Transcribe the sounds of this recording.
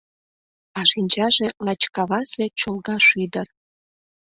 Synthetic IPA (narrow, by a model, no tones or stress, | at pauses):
ɑʃinʲt͡ɕɑʒelɑt͡ɕkɑβɑsĕt͡ɕolɣɑʃyd̪ər